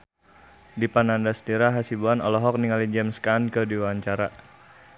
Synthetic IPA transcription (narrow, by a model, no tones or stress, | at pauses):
dipanandast̪iɾaɦasibuanɔlɔɦɔk̚niŋalid͡ʒɛmskankədiwaɲt͡ʃaɾa